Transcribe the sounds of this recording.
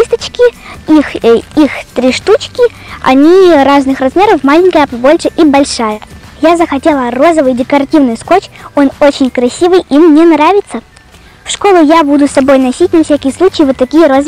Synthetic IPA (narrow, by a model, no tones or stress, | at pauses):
ist̪ət͡ɕkʲɪixixt̪ɾʲiʂt̪ut͡ɕkʲɪ | ɐ̰nʲiraznɨxrɐzmʲe̞ɾəfmalʲɪnʲkəjəpɐbo̞lʲʂɨʔibɐlʲʂajəjazəxɐtʲe̞lˠəro̞zəvɨjdʲɪkɐɾɐtʲivnɨjskot͡ɕo̞no̞t͡ɕɪnʲkɾɐsʲivɨjimnʲenɾavʲɪt̪sə | fʂko̞lˠʊjabud̪ʊsɐbo̞jnɐsʲitʲnɐfsʲakʲɪjəslˠut͡ɕɪjəvɨt̪ːɐkʲijəɾoz